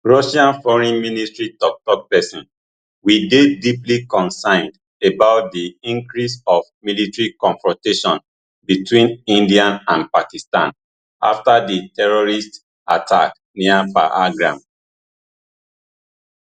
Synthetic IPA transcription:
ɹɔʃãnfɔɹĩnministɹitɔk̚tɔk̚pɛsĩn | widediplikɔ̃nsãɪ̃nd | ebaʊt̚diĩŋkɹisɔvmilitɹikɔ̃nfɹɔ̃nteʃɔ̃n | bitwĩnĩndiãnãnpakistã̰n | a̰ftaditɛɹɔɹist | a̰tʰa̰k | niafa̰ʔaɡɹã̰m

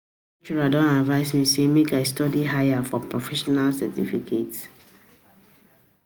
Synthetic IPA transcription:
it͡ʃuɹadɔ̃navaɪsmisemekaɪstɔdiɦajafɔpʰɹɔfɛʃɔnalsɛ̰tḭfikʰets

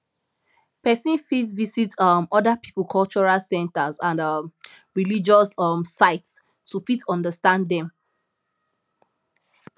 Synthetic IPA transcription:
pɛsĩnfitvisitɔmɔdapipulkʰɔlt͡ʃɔɹalsɛ̃ntazãnʌm | ɹilid͡ʒɔsɔmsaɪts | tufitɔ̃ndəstãnddɛ̃m

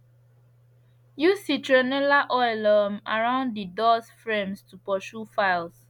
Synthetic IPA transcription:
jusditɹɛnɛlaʔɔɪlɔma̰ɹãʊ̃ndidɔsfɹẽmstupɔʃufaɪls

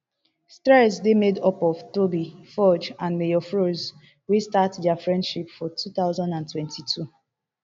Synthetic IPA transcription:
stɹɛsdemedɔpɔv̥tobifɔd͡ʒãnmejɔfɹoz | westatdɛafɹɛ̃ndʃipfɔtʰuθaʊzɔ̃ndãntwɛ̃ntitʰu

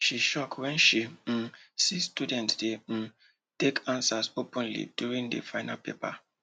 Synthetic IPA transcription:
ʃiʃɔkʰwɛ̃nʃi | sistudɛ̃ntdem̩ | tekʰãnsasopũnlḭdjuɹĩŋdḛfaɪnapepa̰

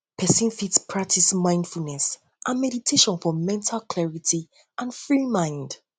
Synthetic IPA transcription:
pʰɛsĩnfitspʰɹak̚tʰismãɪ̃nd̥fulˠnɛs | ʔãnmɛɾitʰeʃɔ̃nfɔmɛ̃ntʰalˠkʰlɛɹitʰi | ʔãnfɹimãɪ̃nd̥

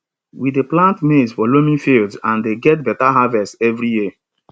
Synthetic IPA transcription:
wideplãntmezfɔlomĩfildzãndeɡɛt̚bɛtaɦavɛstɛvɾiji

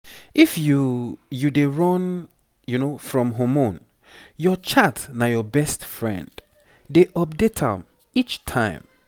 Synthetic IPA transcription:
ʔifjujudeɹɔ̃n | junofɹɔ̃mɦomõn | jɔt͡ʃʰatnajɔbɛstfɹɛ̰̃nd | deʔɔp̚detʰã̰m | it͡ʃtʰãɪ̃m

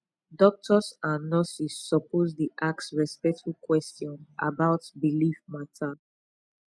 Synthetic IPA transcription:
dɔk̚tʰɔsãnːɔsisːɔpozdiʔak̚tsɹɛspɛk̚tfukwɛstiɔ̃nʔa̰baʊtbilifmatʰa

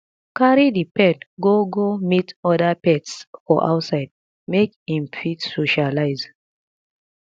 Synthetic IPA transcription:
kaɾidipɛ̃ndɡoɡomitɔdapɛtsfɔʔa̰wtsaɪd̚ | mekĩmfitsoʃalaɪz

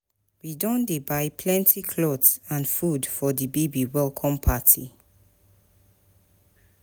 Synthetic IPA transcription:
widɔ̃ndebaɪpʰlɛ̃ntʰikʰlɔdsãnfudfɔðibebiwɛlkʰɔ̃mpʰatʰḭ

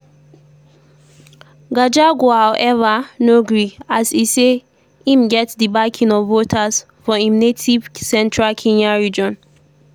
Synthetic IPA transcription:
ɡad͡ʒaɡohawʔɛvanoɡɹiasise | ĩmɡɛtdibakʰĩnɔvːotʰas | fɔĩmnetʰiv̥sɛ̃ntʰɹalkʰẽnaɹid͡ʒɔ̃n

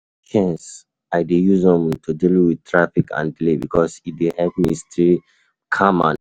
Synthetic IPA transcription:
kʰɛ̃ns | aɪdejuzɔ̃mtʰudilwid̚tʰɹafikʰã̰ndilebḭkʰɔsit̚dehɛvmistɹi | kʰamã̰

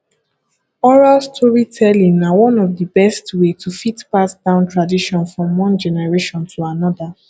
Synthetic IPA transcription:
ɔɹalstʰɔɹitʰɛlĩnawɔ̃nɔvdəbɛstwetʰufitpasd̥ãʊ̃ntɹadiʃɔ̃nfɹɔ̃mwɔ̃nd͡ʒɛnɛɹeʃɔ̃ntʰuanɔda

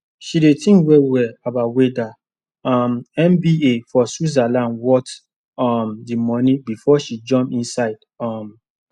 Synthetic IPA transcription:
ʃidetʰĩwɛwɛabaweda | ɔmɛ̃mbiefɔsuzalãnwɔt | ɔmdimɔnĩbifɔʃid͡ʒɔ̃mĩnsaɪd̥ | ɔm

